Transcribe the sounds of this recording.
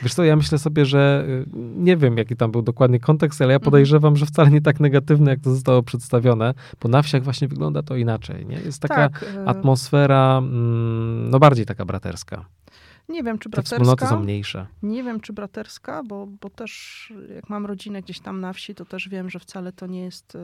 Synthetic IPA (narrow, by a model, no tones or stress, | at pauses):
vʲjɛʂt̪sɔjamɘɕlɛsɔbʲjɛʐɛ | ɲɛvʲjɛmjakʲit̪ambɘwd̪ɔkwad̪ɲɛkɔnt̪ɛkst̪alɛjapɔd̪ɛjʐɛvamʐɛft̪salɛɲɛt̪̬aknɛɡat̪ɘvnɛjak̚t̪ɔzɔs̬t̪awɔpʂɛt̪st̪avʲjɔnɛ | b̥ɔnafɕaɣvwaɕɲɛvɘɡlɔ̰nd̪at̪ɔinat͡ʂɛ̰jɲɛ̰jɛ̰st̪tːakakat̪mɔsfɛɾa | nɔbaɾd͡ʑejt̪akabɾa̰t̪ɛ̰ɾska̰ | ɲɛvʲjɛmt͡ʂɨbɾɛɛfspulnɔt̪ɨsɔ̃w̃mɲejʂɛ̰ɲɛvʲjɛmt͡ʂɨbɾat̪ɛɾskabɔbɔt̪ɛʂja̰kmamɾɔd͡ʑinɛɡd͡ʑeɕt̪amnafɕit̪ɔt̪ɛʐvʲjɛmʐɛft̪salɛt̪ɔɲɛjɛst̪